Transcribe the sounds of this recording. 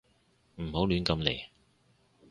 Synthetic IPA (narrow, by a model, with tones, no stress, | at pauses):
m̩˨˩ho˨˥wlyː˨˥nkɐ˧mle˨˩j